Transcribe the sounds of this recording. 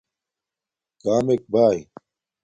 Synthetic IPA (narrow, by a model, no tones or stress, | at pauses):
kaːmek̚baːj